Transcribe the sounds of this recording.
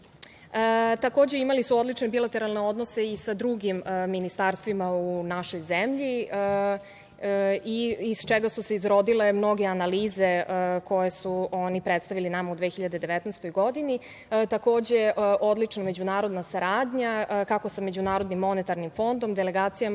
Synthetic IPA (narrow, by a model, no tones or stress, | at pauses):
t̪ako̞ːd͡ʑe̞imalisuo̞d̪lit͡ʃnebilat̪eɾalˠne̞o̞d̪nose̞isad̪ɾuɡimːinist̪aɾst̪ʋimaunaʃo̞jzemʎi | iizt͡ʃeɡasuseizɾo̞d̪ile̞mno̞ɡeanaliːzeko̞jesuo̞nipɾet̪st̪aʋilinamaud̪ʋeːxiʎad̪e̞d̪e̞ʋet̪nɛjst̪o̞jɡo̞d̪ini | t̪ako̞ːd͡ʑe̞ʔʔo̞d̪lit͡ʃname̞d͡ʑunaːɾo̞d̪nasaɾaːd̪ɲakako̞same̞d͡ʑunaːɾo̞d̪nimːo̞net̪aɾnimfo̞nd̪o̞md̪ele̞ɡaːt̪sija